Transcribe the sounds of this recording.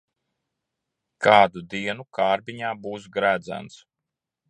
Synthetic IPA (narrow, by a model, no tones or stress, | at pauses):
kʰɑːd̪ud̪iɛnukʰaːɾbiɲaːbuːsɡɾæːd̪zæ̰nt̪s